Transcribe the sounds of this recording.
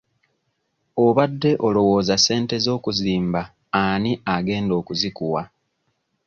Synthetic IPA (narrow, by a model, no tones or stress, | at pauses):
o̞βadːe̞ʔo̞lo̞wo̞ːzase̞ːnte̞zo̞ːkuziːmba | aniaɡe̞ːndo̞ːkuzikuwa